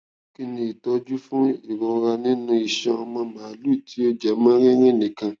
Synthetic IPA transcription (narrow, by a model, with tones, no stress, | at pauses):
ki˧nĩ˧i˨tɔ˨˦d͡ʒu˦fũ˦i˨ɾɔ̃˨ɾa˧nĩ˦nũ˦i˨ʃɔ̃˧ɔ˧mɔ̃˧mã˨˦lu˦˨ti˨˦o˦d͡ʒɛ˨mãː˦ɾ̃ĩ˦ɾ̃ĩ˦˨nĩ˨kã˧